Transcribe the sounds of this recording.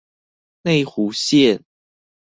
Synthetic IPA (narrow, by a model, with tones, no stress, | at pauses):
ne˥˨ɪxu˨˦ɕjɛ˥˨n